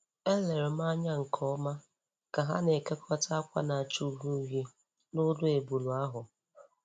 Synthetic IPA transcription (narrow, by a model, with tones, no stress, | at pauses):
e˦le˨ɾʊ˨m̩˦a˦ɲa˦ŋ̩˨kʰɔ˦ma˦ | ka˨ɦa̰˦ne˨ke˦kʷʰɔ˦ta˦a˦kʷa̰˦na˨a˨t͡ʃu˨˦ɦu˦ɦi˦ | nʊ˦dʊ˦e˨bu˨lu˨a˦ɦʊ˨